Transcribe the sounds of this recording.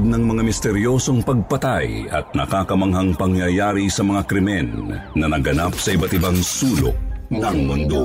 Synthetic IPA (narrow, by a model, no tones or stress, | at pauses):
d̪̚nɐŋmɐŋamɪst̪ɛɾjo̞ːso̞ŋpɐɡ̚pɐt̪ajɐ̰t̪̚nɐkaːkɐmɐŋɦɐŋpɐŋjɐjaːɾisɐmɐŋakɾɪmɛnːɐnɐɡɐnap̚sɐʔɪbat̪ɪbaŋsuːlo̰k̚nɐŋmʊnd̪o̰